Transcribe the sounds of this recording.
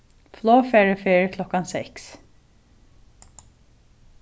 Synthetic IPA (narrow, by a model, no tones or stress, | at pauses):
floːfeːɹəfeːɹəkʰlɔkɑnsɛks